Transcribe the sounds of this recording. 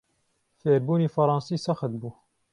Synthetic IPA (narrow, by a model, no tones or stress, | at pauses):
feːɾbuːniːfɐɾˤɑːnsiːsɑxət̪̚buː